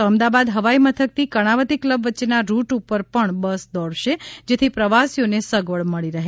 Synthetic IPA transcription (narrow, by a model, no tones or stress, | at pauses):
t̪oəmd̪abad̪ɦəʋaimət̪ʰək̚t̪ʰikəɽ̃aʋət̪ikləbʋəːʃenaɾuʈupəɾpəɳbəsd̪ɔɽʃed͡ʒet̪ʰipɾəʋasijonesəɡʋəɭməɭiɾəɦe